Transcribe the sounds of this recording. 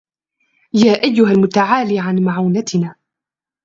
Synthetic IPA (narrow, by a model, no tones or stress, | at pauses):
jaːʔajːʊɦalmʊt̪aʕaːliːʕanmaʕuːnat̪ɪnaː